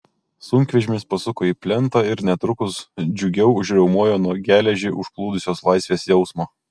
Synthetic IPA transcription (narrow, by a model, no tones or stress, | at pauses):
sʊŋʲkʲʋʲɛʒʲɪmʲɪspɐsʊkoːiːpʲlʲɛnt̪ɐɪɾnʲɛt̪ɾʊkʊsd͡ʒʲʊɡʲɛʊʊʒʲɾʲɛʊmuɔjoːnuɔɡʲæːlʲɛʒʲiːʔʊʃklˠuːd̪ʊsʲoːslˠɑɪsʲʋʲeːsjɛʊsmoː